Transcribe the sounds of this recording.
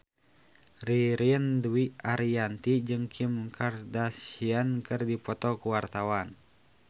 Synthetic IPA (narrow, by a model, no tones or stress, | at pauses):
riɾiəndwiaɾiant̪id͡ʒɨŋkʰimkʰardasiankɨrdipɔt̪ɔkuwart̪awan